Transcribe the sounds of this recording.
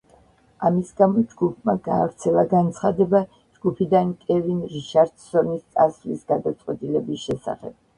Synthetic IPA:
amisɡamɔd͡ʒɡupʰmaɡaːvɾt̪sʰɛlˠaɡant̪sʰχad̪ɛba | d͡ʒɡupʰid̪ankʼɛvinɾiʃaɾd̪̥sɔnist̪sʼasvlisɡ̥ad̪at̪sʼqʼwɛt̪ʼilɛbisʃɛsa̰χɛ̰b̥̚

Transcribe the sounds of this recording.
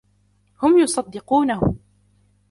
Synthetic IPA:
hʊmjʊsˤɑd̪ːɪquːnahʊ̰

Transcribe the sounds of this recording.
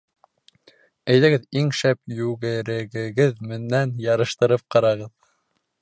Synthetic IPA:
æjðæɡɘðiŋʃæpjʉɡɘ̆ɾɘ̆ɡɘ̆ɡɘðmɘ̆nːænjɑɾɤ̆ʃt̪ɤ̆ɾɤp̚qɑɾɑʁɤð

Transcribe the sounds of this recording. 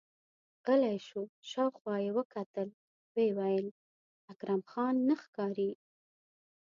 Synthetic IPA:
ɣəlajʃuʃɑwxwɑjewəkat̪əl | wewajəl | akɾamxɑnːəxkɑɾi

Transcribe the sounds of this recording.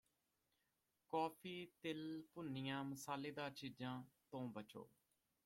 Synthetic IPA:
kɔːpʰiːt̪ɪlpʊnɪjãːməsaːleːd̪ãːt͡ʃiːd͡ʒãːt̪õːbət͡ʃo̰ː

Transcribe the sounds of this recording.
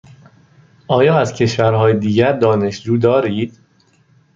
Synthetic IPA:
ʔɒːjɒːæzcʰe̞ʃvæɾhɒːjed̪iːɟæɾd̪ɒːne̞ʃd͡ʒuːd̪ɒːɾiːd̪̥

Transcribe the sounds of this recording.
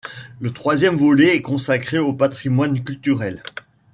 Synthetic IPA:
lət̪χwazjɛmvɔlɛːkɔ̃sakχeopat̪χimwankʲylt̪yʁɛl

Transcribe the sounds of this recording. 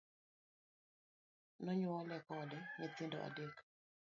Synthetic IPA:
nɔɲʊɔlɛkɔdɛŋat̪ɪndo̰ʔa̰dek

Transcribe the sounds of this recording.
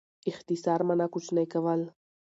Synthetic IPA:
ixt̪isaːɾmɐnakʊt͡ʃʰnɐjkɐʋal

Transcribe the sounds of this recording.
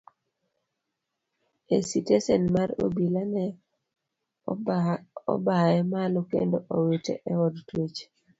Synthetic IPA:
esitesenmaro̰bilanɛ | ɔ̰baɛmalokḛndoʔowetḛʔɛwɔdtwet͡ʃ

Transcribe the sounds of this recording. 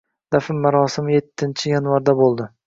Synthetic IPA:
d̪̥afɪmmːaɾɒsɪmɪje̞t̪ʰːɪnt͡ʃʰɪjanvaɾd̪abolˠd̪ɪ

